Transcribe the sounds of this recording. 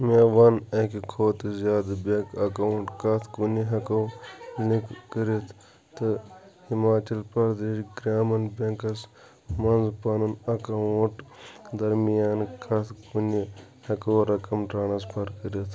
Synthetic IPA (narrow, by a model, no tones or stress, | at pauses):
meːʋɐnɐkikʰoːt̪zjaːd̪bekɐkɐwuɳʈkɐt̪ʰkuniɦɐkɐwlikkəɾit̪ʰ | t̪ɨ | himaːt͡ʃɐlpɐɾd̪eːʃɡɾaːmɐnbeːkɐs | mɐnzpɐnɐnɐkɐuʈd̪ɐɾmijaːnkʰɐt̪ʰkuni | hɐkoːɾɐkɐmʈɾaːnɐspʰɐɾkəɾit̪ʰ